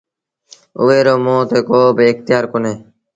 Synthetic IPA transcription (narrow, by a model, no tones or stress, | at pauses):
ʊ̰ʋeːɾoːmoːt̪eːkoːbʱɪkt̪jaːɾkoneː